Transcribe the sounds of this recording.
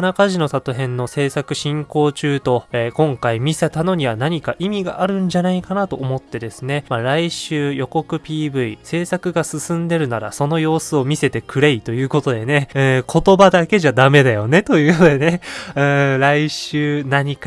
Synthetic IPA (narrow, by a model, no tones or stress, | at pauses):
anakaʑino̞sat̪oɦẽ̞nːo̞se̞ːsakɯ̟ɕĩŋko̞ːt͡ɕɨːt̪o̞eːkõ̞ŋkaimʲisat̪ano̞ɲ̟iβanaɲ̟ikaʔimʲiɡaʔaɾɯ̟̃ɲ̟d͡ʑanaikanat̪o̞ːmo̞t̪ːe̞d̪e̞sɨne̞maɾaiɕɨːjo̞ko̞kɯ̟pʲiːbɯ̟ise̞ːsakɯ̟ɡasɨsɨ̃nd̪e̞ɾɯ̟naɾa̰so̞no̞jo̞ːsɨo̞mʲise̞t̪e̞kɯ̟ɾe̞it̪o̞jɯ̟ːko̞t̪o̞d̪e̞ne̞ɯ̃ːkʰo̞t̪o̞bad̪ake̞ʑad̪ame̞d̪ajo̞ne̞t̪o̞jɯ̟ːjod̪ene̞ɯ̃ːɾaiɕɨːnaɲ̟ika